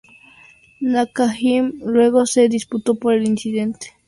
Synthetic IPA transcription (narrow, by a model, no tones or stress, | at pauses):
nakaximlweɣosed̪isput̪opoɾelinsid̪ent̪e̥